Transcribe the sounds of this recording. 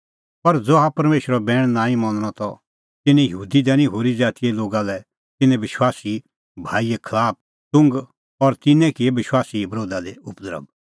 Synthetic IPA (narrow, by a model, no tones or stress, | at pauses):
pɐɾd͡zoɦapɐɾmeːʃəɾɔbɛːɽ̃nãːĩmɐ̃nɽ̃ɔt̪ɔ | t̪ɪnɛ̃jəɦuːd̪id̪ɛːnĩɦoːɾid͡zaːt̪ijɛloːɡalɛ | t̪ɪnɛ̃bɪʃwaːsi | bʱaːiɛkʰɐlaːp̚ | tʊ̃ŋɡ | ɔɾt̪ɪnɛ̃kɪebɪʃwaːsibɐɾoːd̪ad̪eʊpd̪əɾə̰b̚